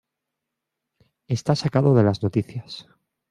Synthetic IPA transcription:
e̞st̪asakaðo̞ðe̞lazno̞t̪iθjas

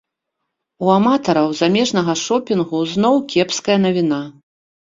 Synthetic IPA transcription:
uamat̪ɐɾɐwzamʲɛʐnɐɣɐʂɔpʲinɣuzn̪ɔwkʲɛpskɐjɐnɐvʲina

